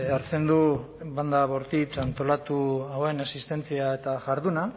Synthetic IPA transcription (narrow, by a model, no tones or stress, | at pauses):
aɾt͡se̞nd̪u | βand̪aβo̞ɾt̪it͡sant̪o̞lat̪uawe̞nasist̪e̞nt͡siae̞t̪aʝaɾðuna